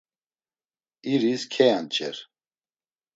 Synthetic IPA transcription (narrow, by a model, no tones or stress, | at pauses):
iɾiskʰɛjant͡ʃʼɛ̰ɾ